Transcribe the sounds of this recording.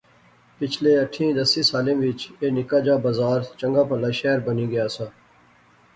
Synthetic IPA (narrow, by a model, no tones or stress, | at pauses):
pɪt͡ʃʰleːəʈʰĩːd̪əsĩːsaːlẽːʋɪt͡ʃeːnɪkaːd͡ʒaːbəzaːɾt͡ʃəŋɡaːpəlaːʃɛːɾbəniːɡəjaːsaː